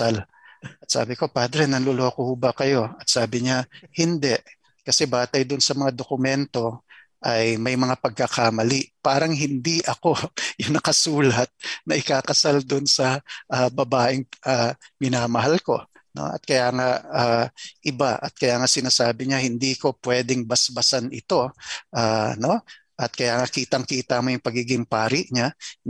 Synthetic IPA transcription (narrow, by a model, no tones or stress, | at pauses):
al | ɐt̪̚sa̰ːbɪko̞paːd̪ɾɛnɐnlolokohʊbɐkɐjo̞ɐt̪saːbɪɲahɪnd̪ɛʔ | kɐsɛbaːt̪ɐjd̪ʊnsɐmɐŋad̪okʊmɛnt̪o̞ | ʔɐjmɐjmɐŋapɐɡ̚kɐkamɐliʔpaːɾɐŋɦɪnd̪iʔɐko̞jʊŋnɐkɐsuːlɐt̪̚nɐʔɪkaːkɐsald̪ʊnsɐʔaːbɐbaːʔɪŋʔamɪnaːmɐɦalko̞ | no̞̰ʔɐ̰t̪̚kɐjaːŋaaːʔɪbaʔɐt̪̚kɐjaːŋasɪnaːsaːbɪɲahɪnd̪iːko̞pwɛːd̪ɛŋbɐsbɐsanɪt̪o̞ʔaːno̞ | ʔɐt̪̚kɐjaːŋakiːt̪ɐŋkiːt̪amojʊŋpɐɡiːɡɪŋpaːɾɪʔɲa